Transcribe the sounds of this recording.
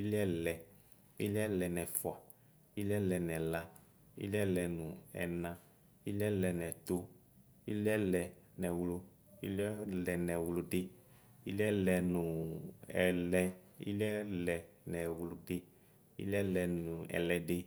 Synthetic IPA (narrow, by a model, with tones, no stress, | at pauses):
i˦li˦ɛ˦lɛ˨ | i˦li˦ɛ˦lɛ˨nɛ˨fwa˨ | i˦lɛ˦lɛ˨nɛ̃˨la˦ | ḭ˦li˦ɛ˦lɛ˨nũ˨ɛ̰˨nã˦ | i˦lɛ˦lɛ˨nɛ̃˨t̪o˦ | i˦li˦ɛ˦lɛ˨ | nɛ̃˨wlo˦ | ḭ˦lɛ˦lɛ˨nɛ̃˨wlo˦ɖe˦ | ḭ˦li˦ɛ˦lɛ˧nũ˨ɛ̰˨lɛ˦ḭ˦li˦ɛ˦lɛ˨ | nɛ˨wlo˦ɖe˦ | ḭ˦lɛ˦lɛ˧nũ˨ɛ̰˨lɛ˨ɖe˦